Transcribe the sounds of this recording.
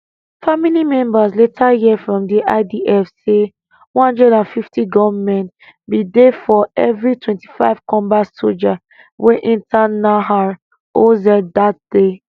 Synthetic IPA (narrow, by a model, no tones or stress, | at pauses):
familimɛ̃mbasletʰajiɛfɹɔ̃mdiʔa̰ɪdiʔɛfse | wɔ̃nɔ̃ndɹɛdãnfiftʰiɡɔvmɛ̃nt | bidefɔɛvɹitʰwɛ̃nti̥faɪv̥kʰɔ̃mbaso̰ld͡ʒa | wʔɛʔĩntanaɦaɹ | ozɛdat̚d̥e